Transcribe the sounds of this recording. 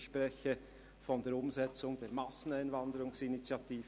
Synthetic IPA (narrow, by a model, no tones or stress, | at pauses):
ʃpʁɛçə | fɔndeːɐʊmzɛt͡sʊŋdeːmɑsn̩aɪnvɑndəɾʊŋsɪnit͡sjɑtiː